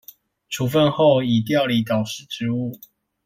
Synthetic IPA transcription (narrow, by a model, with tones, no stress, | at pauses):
ʈ͡ʂʰu˨˥fə˥˧nxo˥˨ʊi˨˩t̪̬jɑ˥˨ʊli˧˦t̪ɑ˨˩ʊʂɻ̩˥˩ʈ͡ʂɻ̩˧˦u˥˩